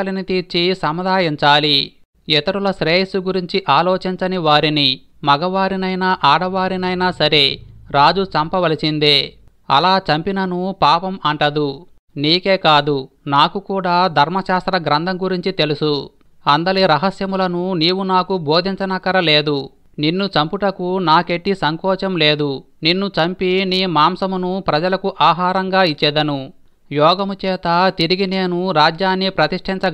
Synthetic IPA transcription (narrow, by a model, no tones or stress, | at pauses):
linit̪iːɾt͡ʃisɐmɐd̪ʱaːjɐɲt͡ʃaːli | ɛt̪ɐɾulɐsɾeːʂuɡuɾiɲt͡ʃiʔaːloːt͡ʃiɲt͡ʃɐniʋaːɾini | mɐɡɐʋaːɾinɐjnɐʔaːɽɐʋaːɾinɐjnɐsɐɾe̞ɾaːd͡ʒut͡ʃɐmpɐʋɐlisind̪eː | ɐ̰laːt͡ʃɐmpinɐnupaːpɐmɐɳʈɐd̪u | niːke̞ːkaːd̪u | naːkukuːɽaːd̪ʱɐɾmɐʃaːst̪ɾɐɡɾɐnd̪ʱɐmɡuɾiɲt͡ʃit̪e̞lusu | ɐnd̪ɐliɾɐɦɐsjɐmulɐnuniːwunaːkubo̞ːd̪ʱiɲt͡ʃɐnɐkɐɾɐle̞ːd̪u | ninːut͡ʃɐmpuʈɐkunaːke̞ʈːisɐŋkɔːt͡ʃɐmle̞ːd̪u | ninːut͡ʃɐmpiniːmaːmsɐmunupɾɐd͡ʒɐlɐkuʔaːɦaːɾɐŋɡaːit͡ʃːɛd̪ɐnu | jɔːɡɐmut͡ʃɛːt̪ɐt̪iɾiɡine̞ːnuɾaːd͡ʒjaːnːipɾɐt̪iʂʈʰiɲt͡ʃɐ